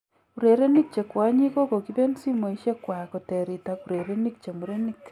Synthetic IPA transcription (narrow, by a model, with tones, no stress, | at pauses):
ku˨ɾe˨ɾe˦ni˦k̚t͡ʃe˨kwa˨˦ɲi˦ko˦ko˨ki˦ðe˦nsi˦mo˨i˨˦ʃje˦kwa˨ko˨te˨ɾi˨taku˨ɾe˨ɾe˦ni˦k̚t͡ʃe˨mu˨ɾe˦ni˦k